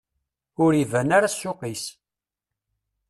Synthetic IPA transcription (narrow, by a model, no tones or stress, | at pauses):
ʊɾivænaɾasːʊqis